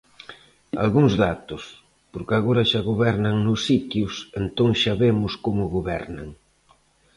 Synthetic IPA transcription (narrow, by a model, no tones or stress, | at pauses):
a̰lɣuŋzðat̪ʊs | poɾkaɣoɾaʃaɣoβɛɾnaŋnʊsːit̪jusent̪oŋʃaβemʊskomʊɣoβɛɾna̰ŋ